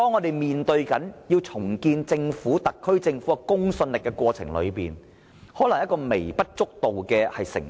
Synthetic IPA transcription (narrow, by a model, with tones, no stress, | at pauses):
t̪ɔː˥ŋːɔː˨˧t̪e˨jmiː˨nt̪ɵ˧ɥkɐ˨˥njiː˧wt͡sʰʊ˨˩ŋkiː˧nt͡sɪ˧ŋfuː˨˥t̪ɐ˨kʰːɵ˥ɥt͡sɪ˧ŋfuː˨˥ɐ˨˧kʊ˥ŋsɵ˧nlɪ˨kːɛ˧kwɔː˧t͡sʰɪ̰˨˩ŋlɵ̰˨˧ɥpḭː˨˩n | hɔː˨˥lɐ˨˩ŋjɐ˥tkːɔː˧me˨˩jpɐ˥t̚t͡sʊ˥k̚t̪o˨wkɛː˧hɐ˨jsɪ̰˨˩ŋ